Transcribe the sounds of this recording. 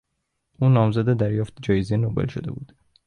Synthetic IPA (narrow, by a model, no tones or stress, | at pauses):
ʔuːnɒːmzæd̪ed̪æɾjɒːft̪ʰed͡ʒɒːjezenobelʃo̰d̪e̞bṵːd̪̥